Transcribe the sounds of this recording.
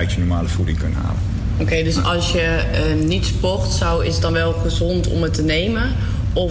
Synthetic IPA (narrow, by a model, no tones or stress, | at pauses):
ɥtjənɔɹmaːləfudɪŋkɵntɦa̰ːlə | okejdøsɑlˠsjə | nitspɔrtsɑwɪsədɑnʋɛlˠχəzɔntɔ̰mətənejmən | ɔ